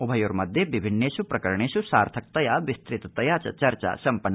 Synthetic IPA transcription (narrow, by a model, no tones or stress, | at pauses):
ubʱɐjoːɾmɐd̪ʱjeʋibʱinːeːʃupɾɐkɐɾɐɳ̃eːʃusaːɾt̪ʰɐk̚t̪ɐjaːʋist̪ɾit̪ɐt̪ɐjaːt͡ʃɐ̰t͡ʃɐɾt͡ʃa̰ːsɐmpɐnː